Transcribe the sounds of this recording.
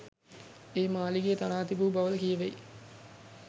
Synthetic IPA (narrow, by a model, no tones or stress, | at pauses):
eːmaːliɡejːt̪anaːt̪ibuːbaʋələkijəʋej